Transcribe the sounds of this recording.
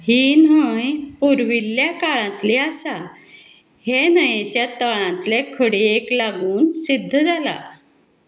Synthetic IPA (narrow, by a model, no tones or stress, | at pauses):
hiːnɦəjpuɾʋilːjakaɭãt̪leasa | henəjẽt͡ɕjat̪əɭãt̪lekʰəɽeeklaɡuːnsid̪ʱːəd͡zʱala̰